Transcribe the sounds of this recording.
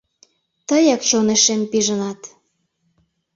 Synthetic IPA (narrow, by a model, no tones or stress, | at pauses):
t̪əjɑkʃoneʃempiʒənɑt̪